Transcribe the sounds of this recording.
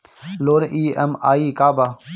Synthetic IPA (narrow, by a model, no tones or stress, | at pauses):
loːnʔiːəmaːiːkaːbaː